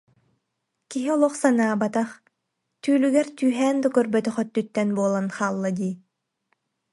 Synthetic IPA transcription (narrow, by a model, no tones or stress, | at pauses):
kiɦiɔlˠɔχsanaːbat̪aχ | t̪yːlyɡɛɾt̪yːɦɛːnd̪ukœɾbœt̪œχœt̪ːyt̪ːɛnbuɔlˠanχaːlˠːad̪iː